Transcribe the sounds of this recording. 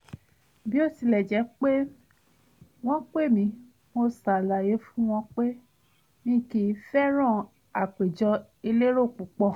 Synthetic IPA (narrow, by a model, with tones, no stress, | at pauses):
bi˦o˦˨ti˧lɛ˨d͡ʒɛ˨˦k͡pe˦ | w̃ɔ̃˦k͡pe˦˨mĩ˨˧˦ | mo˧sa˨la˨je˨˦fũ˦w̃ɔ̃˧k͡pe˦ | nĩ˦˨ki˧˦˧fɛ˦ɾ̃ɔ̃˦˨ | a˨k͡pe˨d͡ʒɔ˧ | i˧le˦ɾo˦˨k͡pu˨˦k͡pɔ˧˨